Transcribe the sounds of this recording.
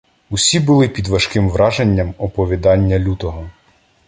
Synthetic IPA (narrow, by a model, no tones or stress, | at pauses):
ʊsʲibʊlˠɪpʲid̪ʋɐʃkɪmʋɾɑʒenʲːɐmɔpɔʋʲid̪ɑnʲːɐlʲut̪ɔɦɔ